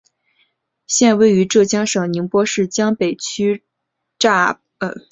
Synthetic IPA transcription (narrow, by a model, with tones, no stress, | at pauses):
ɕjɛ˥˧nwe˥˩ɪy˧˥ʈ͡ʂɤ˥˩t͡ɕjɑ˥ŋʂɤ˨˩ŋni˧˥ŋpwɔ˥ʂɻ̩˥˩t͡ɕjɑ˥ŋpe˨˩ɪt͡ɕʰy˥ | ʈ͡ʂa˥˩˧